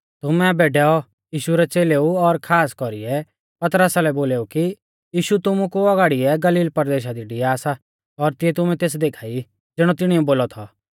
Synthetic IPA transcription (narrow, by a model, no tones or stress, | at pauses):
t̪ʊmɛ̃beːɖɛɔ | jiːʃuɾɛt͡seːleuɔɾkʰaːskɔɾiɛ | pɐt̪ɾəsalɛboːleːuki | jiːʃut̪ʊmukuɔɡaːɽiɛɡɐliːlpɐɾd̪eːʃ̬ad̪iɖijaːsa | ɔɾt̪ɪɛt̪ʊmɛt̪eːs̬d̪eːkʰaːi | d͡zɪɽ̃ɔt̪ɪɽ̃iuboːlɔt̪ʰɔ